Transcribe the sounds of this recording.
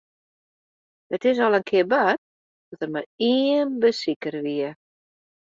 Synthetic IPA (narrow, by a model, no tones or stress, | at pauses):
ətɪs̬ɔlˠənkʰɪəbat̚ | d̥ɔtərmariənbəsikərʋiə